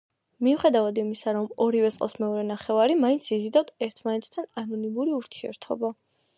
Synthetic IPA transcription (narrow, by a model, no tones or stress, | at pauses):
miuχɛd̪avad̪imisaɾɔmɔɾivɛsʼqʼɔ̰smɛɔɾɛnaχɛvaɾimaint̪sʰizid̪ad̪ɛɾt̪ʰmanɛt̪ʰt̪ʰananɔnimuɾiuɾt̪ʰiɛ̰ɾt̪ʰɔ̰ba